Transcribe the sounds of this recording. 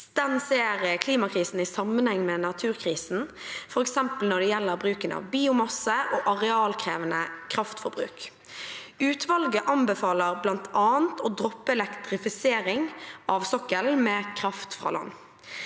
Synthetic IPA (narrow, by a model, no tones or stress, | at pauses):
d̪̥ɛnseːʁəkʰliːmɑkɾiːsn̩ɪsɑmənhɛŋːmɛnɑt̪ʰʉːɾkʰɾiːsn̩fɔɾɛksɛmpəlnɔɖ̪ɛjɛlːəʁbɾʉːkənɑ̰ʋbiːʊmɑsəʔoːʔɑʁɛɑːlkʰɾeːʋənəkʰɾɑft̪fɔɾbɾʉ̰ːk | ʉːt̪ʰʋɑlɡəʔɑmbəfɑːləʁblɑnt̪ʰɑːənt̪ʰoːd̪ɾɔpːəɛlɛkt̪ɾɪfɪseːɾɪŋʔɑʋsɔkːəlmɛːkʰɾɑft̪fʁɑ̰lɑ̰nː